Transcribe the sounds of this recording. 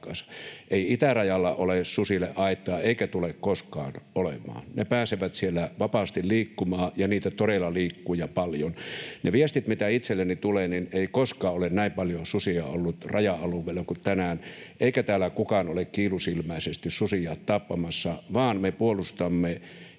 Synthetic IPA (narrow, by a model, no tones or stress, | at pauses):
kɑsɑ̥ʔeiit̪ærɑjɑlːɑʔolessusilḛʔɑˑit̪ːˑɑːeikæt̪ulekkoskɑ̰ːnʔolemˑɑ̰ːnnepæːseʋæt̪sielːæʋɑpɑst̪illiːkːumɑːjɑniːt̪æt̪oɾelːɑliːkːuːjɑpɑljonneʋiest̪it̪mit̪æit̪selːænit̪ulenineˑikoskɑːolennæˑimpɑljosusiɑ̰olːut̪rɑjɑɑluʋeˑlːɑkut̪ænæːnʔeˑikæt̪æːlækukɑnolekkiːlusilmæˑisest̪issusijɑːt̪t̪ɑpːɑmɑsːɑʋɑːnmepuolust̪ɑmːe